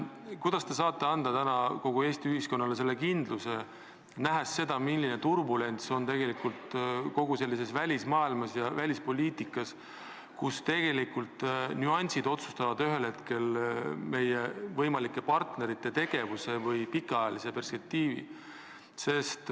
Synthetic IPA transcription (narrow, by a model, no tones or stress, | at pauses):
kujd̪̥ɑst̪e̞s̬ɑːt̪ˑːe̞ɑnd̪̥ɑt̪ænɑko̞ɡ̥ue̞ːst̪iyhisko̞nːɑle̞s̬e̞lːekind̪̥luse | næɦesːe̞d̪̥ɑmilːinet̪urbule̞nt̪so̞nt̪e̞ɡe̞likult̪ko̞ɡ̥use̞lːise̞svælʲismɑːilmɑsjɑvælʲispo̞lʲiːt̪ikːˑɑs | kust̪e̞ɡ̥e̞likult̪nyɑnʲsid̪o̞t̪su̥st̪ɑvɑd̪yɦe̞lhe̞t̪ke̞lme̞jevɤjmɑlikːˑe̞pɑrt̪ne̞ɾit̪ːe̞t̪e̞ɡ̥e̞vuse̞vɤjpikːˑɑjɑlise̞pe̞rspe̞k̚t̪iːvḭ | se̞st̪